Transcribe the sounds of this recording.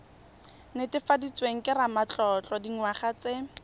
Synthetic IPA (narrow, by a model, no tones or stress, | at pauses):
nɪtɪfadit͡sweŋ̩kɪramat͡ɬɔt͡ɬɔdiŋwaχat͡sɪ